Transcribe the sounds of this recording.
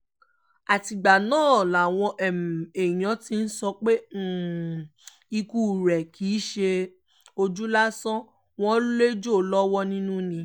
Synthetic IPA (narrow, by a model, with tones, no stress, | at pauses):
a˨ti˨ɡ͡ba˨nãː˦˨la˨w̃ɔ̃˧ʔɛ˨m˨e˨j̃ɔ̃˨˦ti˧˦n̩˦sɔ˧k͡pe˦˨ | i˧ku˦˨ɾɛ˨kʰiː˨˦ʃe˧ | o˧d͡ʒu˦la˦sɔ̃˦ | w̃ɔ̃˦le˦d͡ʒo˦˨lɔ˦wɔ˦nĩ˦nũ˦nĩ˧